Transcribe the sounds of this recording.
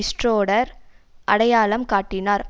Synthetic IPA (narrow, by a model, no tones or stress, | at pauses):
ɪsʈroːɽɐɾʔɐɽɐjaːɭɐmkaːʈːɪnaːɾ